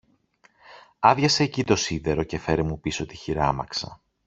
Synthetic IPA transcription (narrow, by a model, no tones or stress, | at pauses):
ɐðʝɐse̞ːcit̪o̞siðe̞ɾo̞ce̞fe̞ɾimupiso̞t̪içiɾɐmɐksɐ̰